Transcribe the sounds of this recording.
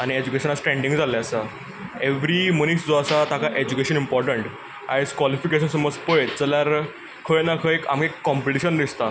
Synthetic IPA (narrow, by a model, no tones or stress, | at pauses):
añied͡ʑukeɕənasʈɾẽɳɖĩŋɡd͡zaljasa | eʋɾimənisd͡zoasat̪akaʔed͡ʑukeɕənimpɔɾʈəɳʈ | ajskʋɔlifikeɕ̬ənsəməd͡zpəet̪̚t͡səljaɾ | kʰəjnakʰəeka̰mkekːɔ̃mpəʈiɕənd̪ist̪a